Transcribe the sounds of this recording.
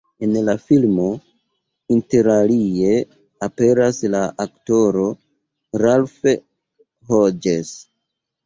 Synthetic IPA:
e̞nlafilmo̞ | inte̞ɾalie̞ | ape̞ɾaslaʔakto̞ɾo̞ | ɾalfe | ɦod͡ʒes

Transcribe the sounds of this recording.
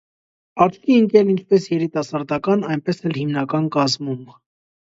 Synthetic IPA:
ɑɾt͡ʃkiəŋkɛlint͡ʃʰpɛsjɛɾit̪ɑsɑɾd̪ɑkɑnɑjnpɛsɛlhimnɑkɑnkɑzmum

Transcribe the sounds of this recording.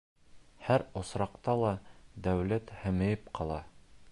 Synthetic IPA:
hæɾŏsɾɑqt̪ɑlˠɑd̪æwlæt̪hɘ̆mɘ̆jɘpqɑlˠɑ

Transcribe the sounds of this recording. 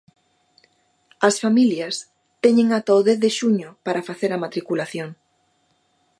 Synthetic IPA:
ɐsfamiljɐs | t̪ɛɲẽŋat̪oðeθðeʃuɲopaɾafaθeɾɐmat̪ɾikulaθjoŋ

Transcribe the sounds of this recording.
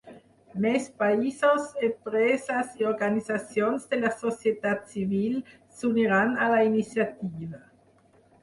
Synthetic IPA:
mespaisosempɾesasioɾɡanisasjonzd̪elasosjet̪at̪sivil | suniɾanalainisjat̪iva

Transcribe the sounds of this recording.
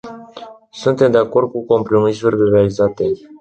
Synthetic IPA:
sunt̪e̞md̪e̞ako̞rd̪̚kuko̞mpɾo̞misurʲlerealizat̪e̞

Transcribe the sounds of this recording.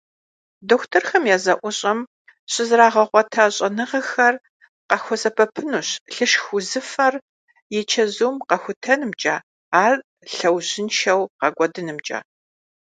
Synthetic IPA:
doːxʷtʰɐrxɐmjaːzɐʔʷʊɕʼɐm | ɕʼɪzraːʁɐʁʷɔtʰaɕʼɐnɨʁɐxɐr | qɐxʷɔsʼɐpʰɐpʰɨnuːɕɬɨʃxʷʊzɨfɐr | jɛt͡ʃʰɐzuːmqɐxʷʊtʰɐnɨmt͡ʃʼaː | aːr | ɬɐwʑɪnʃɐwqɐɡʷʼɔdɨnɨmt͡ʃʼa̰ː

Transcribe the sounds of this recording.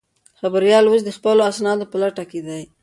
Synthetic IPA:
xabaɾjɑlwəs̬d̪əxpəloasnɑd̪opəlaʈaked̪aj

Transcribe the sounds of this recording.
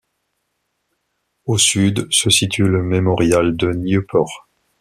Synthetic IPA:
osyd̪səsit̪ʰyləmemɔʁjald̪əniopʰɔʁ

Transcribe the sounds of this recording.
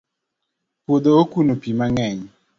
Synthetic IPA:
pod̪ookunopimaŋɛɲ

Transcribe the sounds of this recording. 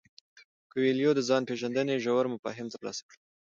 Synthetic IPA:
kəweljod̪əzɑnpeʒand̪əneʒawaɾmʊfɑ̰ɦɪmt̪əɾlɑ̰sḁkɽə

